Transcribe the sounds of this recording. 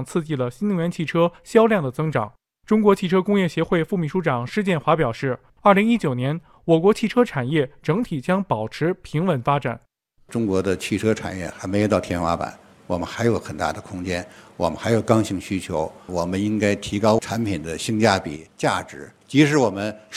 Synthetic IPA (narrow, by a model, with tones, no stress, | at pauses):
ŋt͡sʰɹ̩˥˧t͡ɕi˥˩lə˩ɕi˥ni˧˥ŋɥɛ˧˥nt͡ɕʰi˥˩ʈ͡ʂʰɤ˥ɕjɑ˥ʊljɑ˥˩ŋd̪ə˩t͡sɤ˥ŋʈ͡ʂɑ̰˨˩˦ŋ | ʈ͡ʂʊ˥ŋkwɔ˧˥t͡ɕʰi˥˩ʈ͡ʂʰɤ˥kʊ˥ŋjɛ˥˩ɕjɛ˧˥xwe˥˧ɪfu˥˩mi˨˩ʂu˧˥ʈ͡ʂɑ˨˩ŋʂɻ̩˥˧t͡ɕjɛ˥˩nxwa˧˥pjɑ˨˩ʊʂɻ̩˥˩ | ɐ˞˥˩li˧˥ŋi˥t͡ɕjo˨˩ʊnjɛ˧˥n | wɔ˨˩kwɔ˧˥t͡ɕʰi˥˩ʈ͡ʂʰɤ˥ʈ͡ʂʰa˨˩njɛ˥˩ʈ͡ʂɤ˧˥ŋt̪ʰi˨˩t͡ɕjɑ˥ŋpɑ˨˩ʊʈ͡ʂʰɻ̩˧˥pʰi˧˥ŋwə˧˥nfa˥ʈ͡ʂa̰˨˩˦n | ʈ͡ʂʊ˥ŋkwɔ˧˥d̪ə˧t͡ɕʰi˥˩ʈ͡ʂʰɤ˥ʈ͡ʂʰa̰˨˩njɛ̰˥˩xa˧˥ɪme˧˥ɪjt̪ɑ˥˩ʊt̪ʰjɛ˥nwa˥pa̰˨˦n | wɔ̰˨˩mə˦nxa˧˥ɪjo˧˥ʊxə˨˩nt̪a̰˥˩d̪ə˩kʰʊ˥ŋt͡ɕjɛ˥nwɔ˨˩mə˦nxa˧˥ɪjo˨˩ʊkɑ˥ŋɕi˧˥˩ŋɕy˥t͡ɕʰjo˧˥ʊwɔ˨˩mə˦ni˥ŋka˥ɪt̪ʰi˧˥kɑ˥ʊʈ͡ʂʰa˧˥npʰi˨˩nd̪ə˦ɕi˥ŋt͡ɕja˥pḭ˨˩˦t͡ɕja̰˥˩ʈ͡ʂɻ̩˧˥t͡ɕi˧˥ʂɻ̩˧˥wɔ˨˩mə˦n